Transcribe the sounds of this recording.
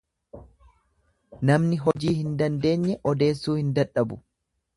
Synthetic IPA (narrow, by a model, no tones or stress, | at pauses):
nɐmnɪɦɔd͡ʒiːhɪnd̪ɐnd̪e̞ːɲːɛʔɔd̪e̞ːsːuːhɪnd̪ɐᶑːɐbʊ